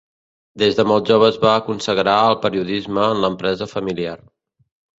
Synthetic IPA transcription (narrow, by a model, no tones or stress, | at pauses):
d̪ezðəmɔlˠʒoβ̞əzβaəkunsəɣɾaəlˠpəɾiuðizməːnləmpɾɛzəfəmiliar